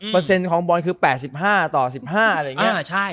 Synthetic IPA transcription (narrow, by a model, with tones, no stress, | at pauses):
pɤː˧se˧nkʰɔː˩˦ŋbɔː˧nkʰɯː˧pɛː˨˩t̪̚si˨˩p̚ɦaː˥˩t̪ɔː˨˩si˨˩p̚haː˥˩ʔa˧ɾa˧ja˩˨ŋi˦˥˩t͡ɕʰa˥˩j